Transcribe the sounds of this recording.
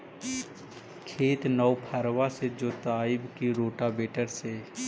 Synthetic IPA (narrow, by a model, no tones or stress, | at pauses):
kʰeːt̪nɔwpʰəɾwased͡ʒoːt̪aːɪbkiɾoːʈabeːʈəɾse